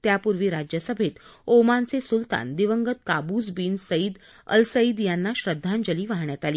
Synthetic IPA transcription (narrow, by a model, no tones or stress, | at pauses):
t̪japuɾʋiːɾad͡ʑjəsəbʱet̪omant͡sesult̪a̰nd̪iʋəŋɡət̪̚kabud͡zbiːnsəid̪ | ə̰lsəid̪janːaɕɾəd̪ʱːand͡ʑəliːʋaɦɳjat̪aliː